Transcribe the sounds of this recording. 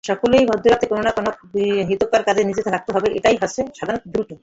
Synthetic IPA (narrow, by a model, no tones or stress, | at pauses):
ʃɔkolejbʱɔd̪ʱːoɾat̪ekononakɔnoɦit̪okːaɾkad͡ʑʰenid͡ʑet̪elʰak̚t̪oɦɔbeʔḛʈajɦɔt͡ɕʰːeʃad̪ʱaɾot̪od̪ɾuʈo